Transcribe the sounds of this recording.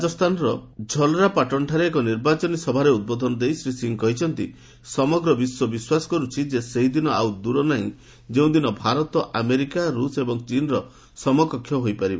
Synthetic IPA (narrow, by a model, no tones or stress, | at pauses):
ad͡ʒɔst̪ʰanɔɾɔd͡ʒʱɔlɾapaʈɔnʈʰaɾeːkɔniɾbat͡ʃɔnisɔbʱaɾeud̪̚bɔd̪ʱɔnɔd̪ejsɾisiŋkɔɦit͡ʃʰɔnt̪ḭ | sɔmɔɡɾɔbiswɔbiswasɔ̥kɔɾut͡ʃʰid͡ʒeseɦid̪inɔawd̪uɾɔnaĩ | d͡ʒeũd̪inɔbʱaɾɔt̪ɔʔameɾikaɾusebɔŋt͡ʃinɔɾɔ | sɔmɔkɔkʰjɔɦojpaɾiba